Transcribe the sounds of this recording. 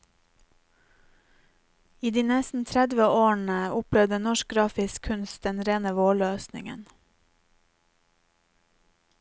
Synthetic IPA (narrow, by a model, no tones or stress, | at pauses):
iːd̪iːnɛst̪n̩t̪ʰɾæd̪ʋəoːɳəʊplɛʋd̪ənɔʃk̚ɡɾɑːfɪskʰʉnst̪̚d̪ɛnɾeːnəʋoːɭøːsnɪ̰ŋə̰n